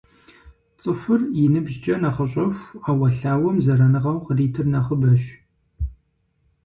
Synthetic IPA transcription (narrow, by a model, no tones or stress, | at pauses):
t͡sʼɨfɨrjɪnɨbʒt͡ʃʼɐnɐχəɕʼɐxʷaːwɐɬaːwɐmzɐɾɐnɨʁɐwqəriːtʰɨrnɐχəbɐʃ